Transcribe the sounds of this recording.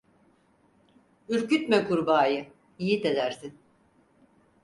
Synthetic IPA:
yɾcyt̪mɛkʰuɾbaːjɯ | ijit̪ed̪æɾsin

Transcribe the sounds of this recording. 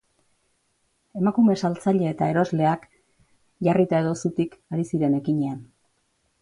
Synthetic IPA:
e̞makume̞salt͡saʎe̞ːt̪ae̞ɾo̞zle̞ak | ʝarit̪ae̞ð̞o̞sut̪ikaɾisiɾe̞ne̞kiɲe̞an

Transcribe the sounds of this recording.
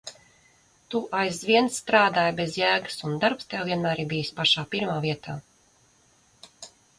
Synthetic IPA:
t̪uʔajzvʲiɛnsːt̪ɾaːd̪aːjbezjæːɡə̥sund̪aɾpst̪ɛwviɛnmæːɾibijspaʃaːpiɾmaːviɛt̪ʰaː

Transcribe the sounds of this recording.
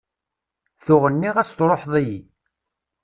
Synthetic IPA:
θʊʁənːiʁæst̪ɾˤoħðˤiji

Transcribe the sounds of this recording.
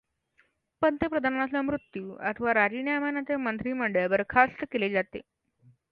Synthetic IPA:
pənt̪epɾəd̪ʱanas̬amɾut̪juːə̰t̪ʰəʋaɾad͡ʑiɳjamanat̪emənt̪ɾiːməɳɖəɭʋəɾkʰast̪əkeled͡zat̪ḛ

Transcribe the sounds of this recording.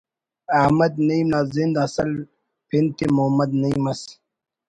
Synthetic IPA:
ahmɐd̪nɐimnazind̪ɐsɐl | pʰint̪emoɦmɐd̪nɐĩmɐs

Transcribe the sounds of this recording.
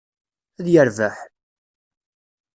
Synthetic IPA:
æðjəɾvæħ

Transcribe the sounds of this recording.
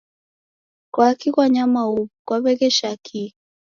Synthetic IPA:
kwakikwaɲamaukwaβɛkɛʃakʰi

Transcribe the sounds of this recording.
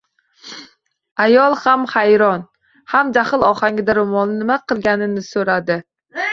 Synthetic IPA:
ajɒlˠhamhajɾɒn | hamd͡ʒaχɨlˠɒχaŋʲɪd̪aɾomɒnɪnɪmaqʰɨlˠɡʲanɪnɪsoɾad̪ɪ

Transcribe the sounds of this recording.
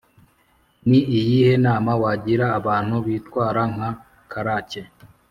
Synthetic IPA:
mwiʔijihe̞naːmawaɟiɾaːβaːn̥huβiːtwaːɾaŋ̥ha | kʰaɾace

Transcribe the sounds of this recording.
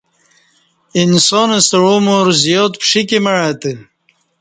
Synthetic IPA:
insoːnɐsɐɻoːmoɾzjoːt̪pʂikemɐɻaːt̪ɨ

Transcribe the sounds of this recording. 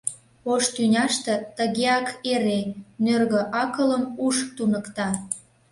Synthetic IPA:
oʃt̪ynʲɑʃt̪ĕt̪əɣeɑkeɾenørɣə̆ʔɑkələmuʃt̪unəkt̪ɑ

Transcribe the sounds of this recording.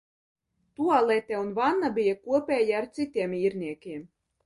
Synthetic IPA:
t̪ualˠɛt̪ʲɛunvanːabijakuɔpʲɛːjaːɾt̪sit̪ʲiɛmiːɾnʲiɛkʲiɛm

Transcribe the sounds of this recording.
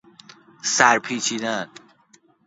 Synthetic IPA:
sæɾpʰiːt͡ʃʰiːd̪æn

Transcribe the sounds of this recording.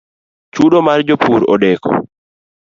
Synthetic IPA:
t͡ʃuɗomaɾd͡ʒɔpuɾɔ̰ɗɛkʰɔ̰

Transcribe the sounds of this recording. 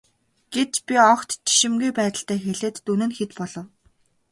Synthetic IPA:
ɡ̥et͡ɕpʲiɔkt̪t͡ɕi̥ʃɪ̆mɡujpæːt̪ə̆ɬt̪æːxeɮeːt̪ːunɘ̆nxet̪pɔɮɞ̆w

